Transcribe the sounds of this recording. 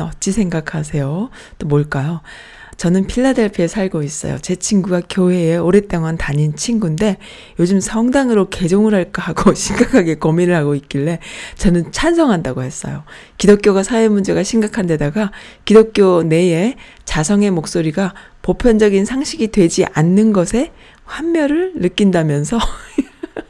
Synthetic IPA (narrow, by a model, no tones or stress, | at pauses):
ʌt̚t͡ɕ͈isʰe̞ŋɡakʰas̬ʰe̞jo | t͈omoɭk͈ajo | t͡ɕʌnɯnpʰiɭːadeɭpʰesʰaɭɡois͈ʌ̰jo̰t͡ɕe̞t͡ɕʰiŋɡuɡakjoɦe̞ːoɾet͈eŋantaɲint͡ɕʰiŋɡunde̞ | jod͡ʑɯmsʰʌŋdaŋɯɾoke̞d͡ʑoŋɯɾɦaɭk͈aɦaɡoɕʰiŋɡakʰaɡe̞kʌmiɾɯɭhaɡoik͈iɭːe̞t͡ɕʌnɯnt͡ɕʰansʰʌŋɦandaɡohe̞s͈ʌ̰jo | kidok͈joɡasʰaemund͡ʑe̞ɡaɕʰimɡakʰande̞daɡakidok̚k͈jone̞e̞ | t͡ɕasʰʌŋe̞mok̚s͈oɾiɡa | popʰjʌnd͡ʑʌɡinsʰaŋɕʰiɡidwe̞d͡ʑiʔanːɯnɡʌsʰe̞ | ɸwamːjʌɾɯɭːɯk͈indamjʌnsʰʌ